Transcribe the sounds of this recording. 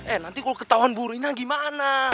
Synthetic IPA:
ɛnant̪ikɔlɔkət̪awanbuɾinaɡimana

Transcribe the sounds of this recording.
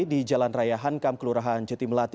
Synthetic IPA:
did͡ʒalanrajaɦankamkəluɾaɦand͡ʒət̪iməlat̪

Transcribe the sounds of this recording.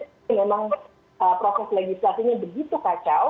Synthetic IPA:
memaŋ | ʔəpɾosɛsleɡislasiɲabəɡit̪ukat͡ʃaw

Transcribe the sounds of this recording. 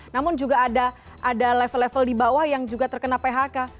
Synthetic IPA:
namʊnd͡ʒuɡaːda | ʔadalɛfəlɛfəldibawahjaŋd͡ʒuɡat̪ərkənapeɦaka

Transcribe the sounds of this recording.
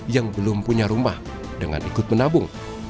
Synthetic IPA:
jaŋbəlʊmpuɲaɾumah | dəŋa̰nikʊt̪̚mənabʊŋ

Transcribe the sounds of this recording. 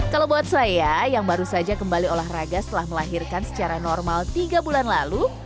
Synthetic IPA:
kalawbawat̪̚sajajaŋbaɾusad͡ʒakəmbaliolahraɡast̪əlahməlaɦirkansə̥t͡ʃaɾanɔrmalt̪iɡabulanlalu

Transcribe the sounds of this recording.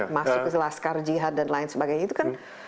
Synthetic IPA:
masʊkːəlaskard͡ʒiɦat̪̚danlaɪnsəbaɡajɲait̪ukan

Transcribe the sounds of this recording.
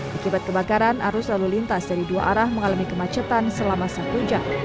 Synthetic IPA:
ʔakibat̪̚kəbakaɾanʔa̰ɾʊslalulint̪asdaɾiduaʔaɾahməŋalamikəmat͡ʃət̪ansəlamasak̪ud͡ʒa̰

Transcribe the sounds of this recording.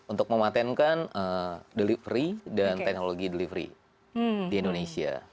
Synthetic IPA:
unt̪ʊk̚məmat̪ɛnkanədəlivɾidanɛk̚noloɡidəlivɾḭ | diindonesia̰

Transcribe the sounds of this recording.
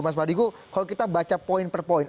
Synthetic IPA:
mas̬badikukalokit̪abat͡ʃapoɪnpərpɔɪn

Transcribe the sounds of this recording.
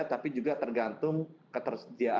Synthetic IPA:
t̪apid͡ʒuɡat̪ərɡant̪ʊŋkət̪ərsədiaʔ

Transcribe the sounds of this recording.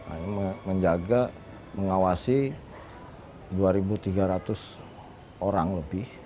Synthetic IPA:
a̰məməɲd͡ʒaɡa | məŋawasi | duaɾibut̪iɡaɾat̪ʊs | oɾaŋləbɪh

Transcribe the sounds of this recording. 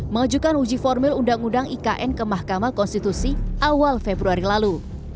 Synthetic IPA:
məŋad͡ʒukanud͡ʒifɔrmɪlundaŋundaŋʔikaʔɛnkəmahkamakɔnst̪it̪usiʔawalfebɾuaɾilalu

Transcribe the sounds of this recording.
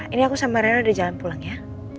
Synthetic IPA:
iniakusamaɾaaadid͡ʒalanpulaŋja

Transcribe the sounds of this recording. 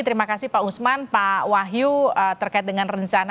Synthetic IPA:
t̪əɾimakasihpausmanpawaɦjuət̪ərkaɪt̪̚dəŋanrəɲt͡ʃana

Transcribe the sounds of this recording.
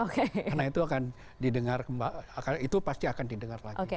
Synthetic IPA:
okekanait̪uakan | didəŋarkəmbaakait̪upast̪iakandidəŋarlaɡʔoike

